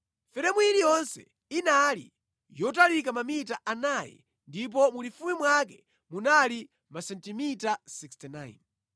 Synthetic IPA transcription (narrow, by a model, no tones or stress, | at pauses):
fɛɾɛmwuilijɔnsɛ̰ | inalḭ | jɔtalikamamitaʔanaːjɛ̰ | ndip̬ɔmulifumimwak̬ɛ | munali | masɛntimitasikstina̰jn